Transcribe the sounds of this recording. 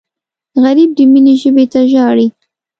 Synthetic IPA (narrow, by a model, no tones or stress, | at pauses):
ɣaɾib̚d̪əmineʒəbet̪aʒɑɽi